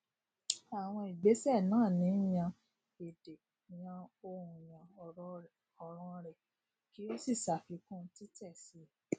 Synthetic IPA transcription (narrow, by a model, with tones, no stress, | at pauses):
a˨w̃ɔ̃˧i˨ɡ͡be˨˦sɛ˦˨nãː˦˨nĩ˨˦jã˧ | e˨de˨ | jã˧o˧ɾũ˨j̃ã˨ɔ˨ɾɔ˧ | ɔ˨ɾ̃ɔ̃˧ɾɛ˨ | ki˨˦o˦si˦˨sa˨fi˧kũ˦˧˦ti˦tɛ˦˨si˨˦